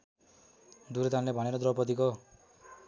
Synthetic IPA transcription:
d̪uɾet̪anlebʱʌɽeɾod̪ɾʌpʌt̪̬iko

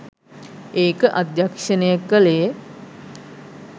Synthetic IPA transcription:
eːkəʔad̪jakʂənəjakːəlej

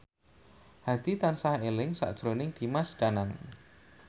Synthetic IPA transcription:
had̪̥it̪ansahelɪŋsa̰ʔd̥ʒ̥ɾonɪŋd̪̥i̤masd͡ʒ̥anaŋ

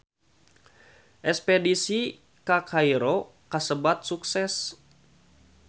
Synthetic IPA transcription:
ʔɛspɛdisi | kakʰaiɾo | kasəbat̪̚suksɛs

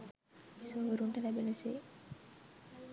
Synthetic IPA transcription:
isoʋəɾuɳʈəlæbeneseː

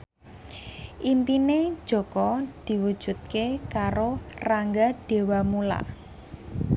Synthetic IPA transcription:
ʔimpine̥ʒ̥ɔ̤kɔd̪̥i̤wu̥ʒ̥ṳt̪̚kekaɾoraŋɡaɖ̥e̤wamula̰

